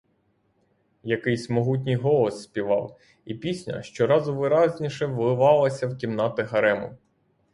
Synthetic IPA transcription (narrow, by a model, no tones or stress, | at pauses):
jɐkɪjsʲmɔɦut̬ʲnʲɨjɦɔlˠɔsːʲpʲiʋɑw | ipʲisʲnʲɐ̰ʃt͡ʃɔɾɑzʊʋɪɾɑzʲnʲiʃɛʋ̪ˠɪʋɑlˠɐsʲɐwkʲimnɑt̪ɪɦɐɾɛmʊ